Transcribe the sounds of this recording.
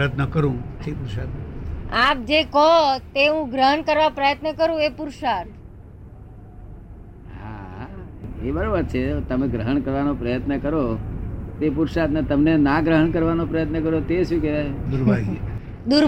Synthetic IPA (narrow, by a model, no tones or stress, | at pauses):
jət̪nəkəɾũepuɾʃat̪ap̚d͡ʒekɔt̪eũɡɾəɦənkəɾʋapɾəjət̪nəkəɾũepuɾʃaɾ | ɦa̰ | ebəɾoʋad̪t͡ʃʰet̪əmẽɡɾəɦəɳkəɾʋanopɾəjət̪nəkəɾot̪epuɾʃat̪net̪əmnenaɡɾəɦəɳkəɾʋanopɾəjət̪nəkəɾot̪eʃũkɛt̪ajd̪uɾbʱaɡe | d̪uɾ